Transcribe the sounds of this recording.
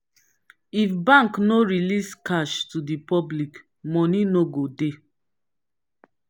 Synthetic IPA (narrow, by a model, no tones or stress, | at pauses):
ifbãŋknoɹiliskaʃtudipɔblik | mɔ̃ninoɡode